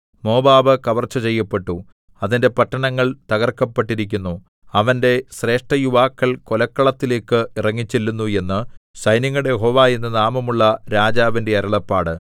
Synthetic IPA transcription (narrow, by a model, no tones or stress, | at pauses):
mo̞ːbaːbɨkɐʋɐrt͡ɕːɐt͡ɕe̞jːɐpːe̞ʈːu | ɐðinde̞pɐʈːɐɳɐŋːɐɭt̪ɐɣɐrkːɐpːeʈːiɾikʲːunːu | ɐʋɐnde̞ɕre̞ːʂʈɐjuʋaːkːɐlko̞lɐkːɐɭɐt̪ːile̞ːkːɨirɐŋːit͡ɕːilːunːue̞nːɨɕɐjniŋːɐɽejeɦo̞ːʋaːjenːɨnaːmɐmuɭːɐɾaːd͡ʑaːʋinde̞ɐɾɐɭɐpːaːɽɨ